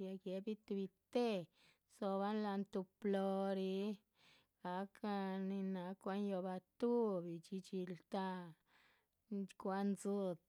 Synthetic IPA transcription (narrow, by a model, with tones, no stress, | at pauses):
ja˧ɡje˧bi˦t̪u˧bi˧t̪e˦ | so˧βa˦nla˧nt̪u˧plo˧ɾi˧˦ | ɡ̥a˨ka˧ni˧na˧kʷa˧njo˧ba˧t̪u˦bi˨t͡ʃi˧t͡ʃi˧lt̪a˧ | nkʷa˧nzu˦d̪